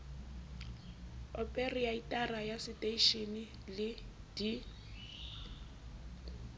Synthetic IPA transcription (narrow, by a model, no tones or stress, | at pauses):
ɔpʼeriaitʼarajasɪtʼeiʃinɪ | lɪ | d̥i